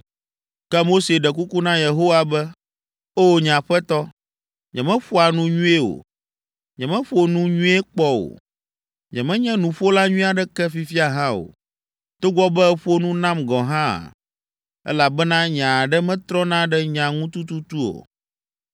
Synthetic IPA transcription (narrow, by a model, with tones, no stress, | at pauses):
kɛ˦mo˦se˨ɖɛ˨ku˦ku˦nã˦je˨ɦo˦wa˨bɛ˦ | o˦ɲã˨ɸɛ˦t̪ɔ˦ | ɲɛ̰̃˨mɛ̃˦ɸo˦a˨nũ˦ɲũ˦e˦o̰˨ | ɲɛ̃˨mɛ̃˦ɸo˦nũ˦ɲũ˦e˦k͡pɔ˦o̰˨ | ɲɛ̰̃˨mɛ̃˦ɲɛ̃˦nũ˨ɸo˦la˦ɲũ˦a˨ɖɛ˦kɛ˦fi˦fi˦a˨ɦã˦o̰˨ | t̪o˦ɡɔ˦bɛ˦ɛ˦ɸo˦nũ˦nã˦mɡɔ̃˨ɦã̰˦˨ | ɛ̰˦la˨bɛ˦nã˦ɲã˨ɖɛ˦mɛ̃˦t̪ɾɔ˦nã˦ɖɛ˦ɲã˨ŋũ˦t̪u˦t̪u˦t̪u˦o̰˨